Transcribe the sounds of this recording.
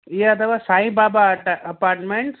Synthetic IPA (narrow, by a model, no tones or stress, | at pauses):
ieɐt̪ʰəʋasaːĩbaːbaʈɐpaːɾʈmẽɳʈs